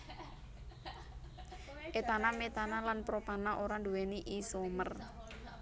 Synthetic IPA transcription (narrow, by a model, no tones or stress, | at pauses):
ʔet̪anamet̪analanpɾopanaʔoɾanduwɛniʔisomər